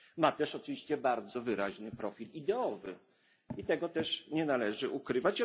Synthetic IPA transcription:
mat̪ɛʂɔt͡ʂɘvʲiɕt͡ɕɛbaɾd̪zɔvɘɾaʑnɘpɾɔfʲilid̪ɛɔvɘ̰ | it̪ɛɡɔt̪ɛʂɲɛnalɛʐɘʔukɾɘvat͡ɕ

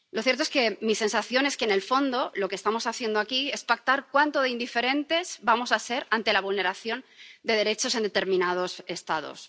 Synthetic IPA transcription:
lo̞θjet̪oe̞ske̞mise̞nsaθjo̞ne̞skene̞lfo̞nd̪o̞lo̞kest̪amo̞saθje̞nd̪oakie̞spak̚t̪aɾkwant̪o̞ðeind̪ife̞ɾe̞nt̪e̞zbamo̞sase̞ɾant̪e̞laβ̞ulne̞ɾaθjo̞nd̪e̞ð̞e̞ɾe̞t͡ʃo̞se̞nd̪e̞t̪e̞ɾmĩnað̞o̞se̞st̪aðo̞̰s

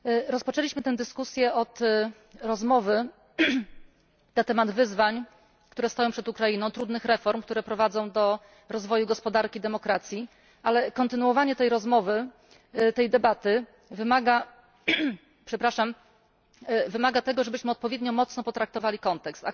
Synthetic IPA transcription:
ɾɔspɔt͡ʂɛlʲiɕmɘt̪ɛd̪ɘskusʲjɛʔɔt̪ | ɾɔzmɔvɘ | nat̪ɛmad̪vɘzvaɲ | kt̪uɾɛst̪ɔjɔ̃w̃pʂɛt̪ukɾajinɔ̃w̃t̪ɾud̪nɘxɾɛfɔɾmkt̪uɾɛpɾɔvad̪zɔ̃w̃d̪ɔ | ɾɔzvɔjuɡɔspɔd̪aɾkʲid̪ɛmɔkɾat̪sʲji | ʔalɛkɔnt̪ɘnuwɔvaɲɛt̪ɛjɾɔzmɔvɘ | t̪ɛjd̪ɛbat̪ɘ | vɘmaɡa | pʂɛpɾaʂam | vɘmaɡat̪ɛɡɔʐɛbɘɕmɘɔt̪̚pɔvʲjeɛd̪ɲɔmɔt̪snɔpɔt̪ɾak̚t̪ɔvalʲikɔnt̪ɛkst̪a̰

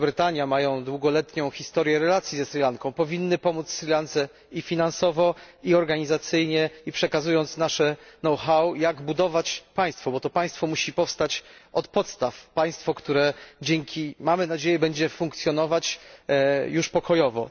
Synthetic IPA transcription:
bɾɘt̪aɲjamajɔ̃w̃d̪wuɡɔlɛt̪ɲɔ̃w̃xʲist̪ɔɾʲjɛɾɛlat̪sʲjizɛsɾʲilankɔ̃w̃pɔvʲinːɘpɔmut̪ssɾʲilant̪sɛ | ifʲinansɔvɔ | iɔɾɡaɲizat̪sɘjɲɛipʂɛkazujɔnt̪snaʂɛnɔwxawjaɡbud̪ɔvat͡ɕpaj̃st̪fɔbɔt̪ɔpaj̃st̪fɔmuɕipɔfst̪at͡ɕɔt̪pɔt̪st̪afpaj̃st̪fɔkt̪uɾɛd͡ʑɛŋkʲʰimamɘnad͡ʑejɛbɛɲd͡ʑɛfũŋkt̪sʲjɔnɔvat͡ɕ | juʂpɔkɔjɔvɔ̰

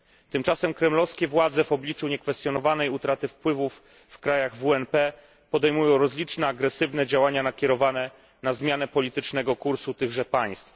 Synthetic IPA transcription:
t̪ɘmt͡ʂasɛmkɾɛmlɔfskʲɛvwad̪zɛvɔblʲit͡ʂuɲɛkfɛst̪ʲjɔnɔvanɛjut̪ɾat̪ɘfpwɘvufː | kɾajaɣvuɛnpɛ | pɔd̪ɛjmujɔ̃w̃ɾɔzlʲit͡ʂnɛaɡɾɛsɘvnɛd͡ʑawaɲanakʲɛɾɔvanɛ | nazmʲjanɛpɔlʲit̪ɘt͡ʂnɛɡɔkuɾsut̪ɘɣʐɛpaj̃st̪f

